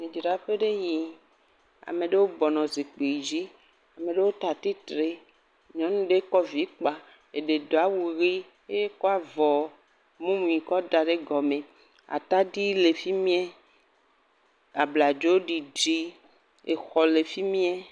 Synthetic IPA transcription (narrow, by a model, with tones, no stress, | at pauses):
mĩ˨d͡ʒɾa˨ɸe˦ɖe˦ɲĩ˨ | a̰˨mẽ˨ɖe˦wo˦bɔ˨nɔ̃˨zi˨k͡pe˨i˨d͡ʑi˦ | a˨mẽ˨ɖe˦wo˦t̪a˨t̪i˦t̪ɾe˦ | ɲɔ̃˦nũ˦ɖe˦kɔ˦vi˦k͡pa˨ | e˨ɖe˨d̪o˨a˦wu˨ɣi˦ | e˦je˦kɔ˦a˨vɔ˨ | mũ˦mũ˨ĩ˨kɔ˦da˨ɖe˦ɡɔ˨mẽ˨ | a̰˨t̪a˦ɖi˦le˨fi˦mĩ˦ɛ˦ | a˨bla˨d͡ʒo˦o˦ɖi˨d͡ʒi˦ | e˨xɔ˨le˨fi˦mĩ˦ɛ˦